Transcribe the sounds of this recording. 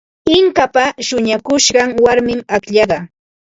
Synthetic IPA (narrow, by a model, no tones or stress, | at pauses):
ɪŋkapaʃʊɲakʊʃɢɑŋwaɾmɪmakʎɑɢɑ